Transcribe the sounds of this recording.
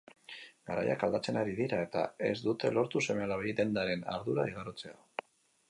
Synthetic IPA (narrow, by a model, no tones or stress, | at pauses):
ɡaɾa̰ja̰kald̪at͡se̞naɾiðiɾae̞t̪a̰e̞̰zd̪ut̪e̞lo̞ɾt̪use̞mealaβejd̪e̞nd̪aɾe̞na̰ɾðuɾaiɣ̞aɾot͡se̞a